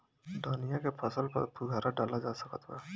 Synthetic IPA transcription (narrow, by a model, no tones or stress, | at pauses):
ɖaːnɪjãkepʰəsəlpə̰ɾpʊɡʱaːɾaɖaːlad͡ʒaːsəkət̪ʋɛ̰ː